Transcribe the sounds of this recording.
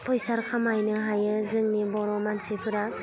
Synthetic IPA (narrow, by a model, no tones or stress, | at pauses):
pʰɔjsaɾkʰamajnɯɦajɯzɯŋnibɔɾɔmansipʰɯɾa